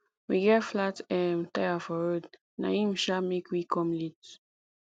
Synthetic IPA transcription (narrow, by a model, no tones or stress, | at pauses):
wiɡɛtflatɛ̃ntajafɔɹod | na̰ĩmʃamekʰwikʰɔ̃mlit